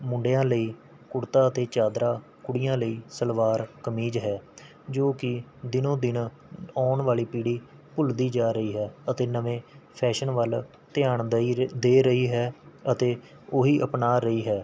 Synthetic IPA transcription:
mʊ̃ɳɖejãːləiː | kʊɽt̪aːət̪eːt͡ʃaːd̪ɾaː | kʊɽɪjãːləiːsəlʋaːɾkəmiːd͡ʒɦɛː | d͡ʒoːkɪd̪ɪnõːd̪ɪn | ɔːɳʋaːliːpiːɽiː | pʊld̪iːd͡ʒaːɾəiːɦɛːət̪eːnəʋẽːpʰɛːʃənʋəl | t̪ɪjaːɳd̪eːɾəiːɦɛːət̪eː | oːɦiːʔəpnaːɾəiːɦɛː

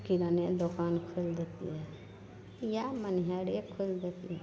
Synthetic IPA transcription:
kilaned̪ɔkaːnkʰold̪et̪ḭɛ | jamənɦaɽekʰold̪et̪iɛ

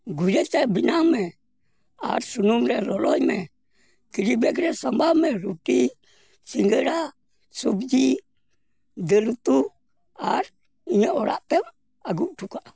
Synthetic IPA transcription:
ɡuɾet͡ʃɛbinamɛ | a̰ɾsunumɾɛlɔlɔjmɛ̰ | kiɾibɛk̬ɾɛsambamɛɾuti | siŋɡəɾa | subd͡ʒi | dəlut̪u | a̰ɾ | iɲəɔɾa̰ʔt̪ɛm | aɡuʔtukaʔ

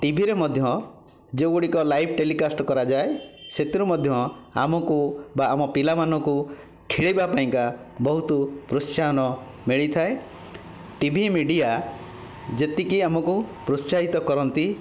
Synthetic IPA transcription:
ʈibʱiɾemɔd̪ʱjɔ | d͡ʒowɡuɽikɔlajpʰʈelikasʈɔkɔɾad͡ʒaeset̪iɾumɔd̪ʱjɔa̰mɔkubaːmɔpilamanɔŋku | kʰiɭibapaĩŋka | bɔɦut̪upɾussaɦɔnɔ | miɭit̪ʰae | ʈibʱimiɖija | d͡ʒet̪ikiamɔkupɾussaɦit̪ɔkɔɾɔnt̪i

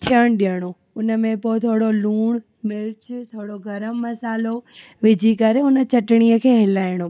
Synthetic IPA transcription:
t̪ʰijəɽ̃ɗijəɽ̃o | ʊnə̆mẽpoɪt̪ʰoːɽoluːɽ̃ | mɪɾt͡ɕt̪ʰoːɽoɡʱɐɾəmːɐsaːlo | ʋɪd͡ʑʱikɐɾeʊnə̆t͡ɕʰɐʈɽ̃iəkʰeːɦɪlaːɪɽ̃o

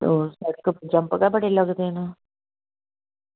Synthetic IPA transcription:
t̪oːsaːɾekod͡ʒɐmpɡabəɽelɐɡd̪ena

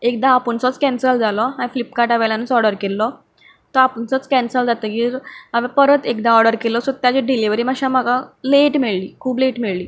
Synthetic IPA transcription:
ek̚d̪aːpəɳsɔt͡skɛ̃nsəld͡zalɔɦãiflipkaʈaʋajljanət͡sɔɾɽəɾkelːɔ | t̪ɔapəɳsɔt͡skɛ̃nsəld͡zat̪əɡiɾaʋẽpəɾət̪ekd̪aɔɾɖəɾkelɔsɔt̪jat͡ɕeɖiliʋəɾiːmaɕam̤aɡaleʈmeɭliːkʰuːbleʈmiɭliː

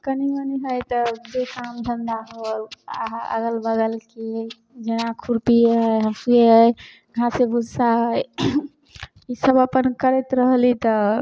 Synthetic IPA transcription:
kəniəniɦəjt̪əd͡ʒekamd̪ʱənd̪aɦola̰ɦə̰ɡəlbəɡəlke | d͡ʒenakʰuɾpiɦəjɦəsieɦəj | ɡʱãsebud͡ʒʱsaɦəj | isəbəpənkəɾɛt̪ɾəɦlit̪ɔ

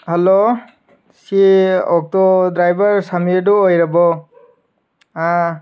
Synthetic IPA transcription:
hɛlo | siɔk̚tɔdɹajbaɹsamiduojɾabɔ | a

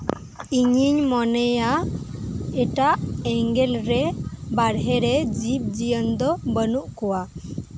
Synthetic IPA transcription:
iɲiɲmɔnɛja | ɛʈaʔɛŋɡɛlɾɛbaɾɦɛɾɛd͡ʒip̚d͡ʒijənd̪ɔbənuʔkɔwa

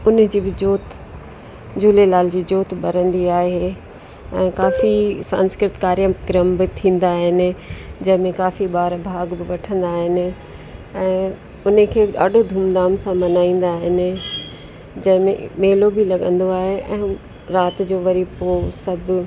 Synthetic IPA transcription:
ʊnd͡ʑiːbɪd͡ʑoːt̪ | d͡ʑuːlelaːld͡ʑiːd͡ʑoːt̪ɓɐɾə̃nd̪iaːɦe | ɛ̃ːkaːfisã̰ːnskɾɪt̪kaːɾjəmkɾəmbɪt̪ʰĩːn̆d̪aːɦɪnɪ̆d͡ʑɐ̃ɦɪ̃mẽkaːfiɓaːɾbʱaːɡbɪʋɐʈʰə̃nd̪aːɦɪnɪ̆ | ɛ̃ː | ʊnəkʰeːɗa̰ːɗʱod̪ʱuːmd̪aːmsãmɐnaːĩːn̆d̪aːɦɪnɪ̆ | d͡ʑɐ̃ɦɪ̃mḛ̃meːlobɪlɐɠə̰̃nd̪oaːɦeʔɛ̃ː | ɾaːt̪d͡ʑoːʋɐɾipoːsɐbʱ

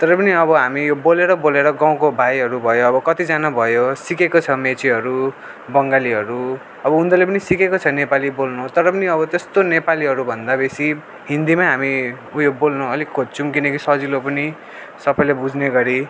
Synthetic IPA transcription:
t̪ʌɾʌpʌniʌβʌɦamijoboleɾʌboleɾʌɡaw̃kobʱajɦʌɾubʱʌjoːbʌkʌt̪id͡zanabʱʌjosikekot͡sʰʌmet͡siɦʌɾu | bʌŋɡaliɦʌɾu | ʌbʌund̪ʌlepʌnisikekot͡sʰʌnepalibolnut̪ʌɾʌpʌniʌβʌt̪est̪onepaliɦʌɾubʱʌnd̪abesi | ɦind̪imaɦami | ujobolnuʌlikʰːot͡sʰumk̬inʌkisʌd͡zilopʌni | sʌpʌjlebud͡zneɡʌɾi

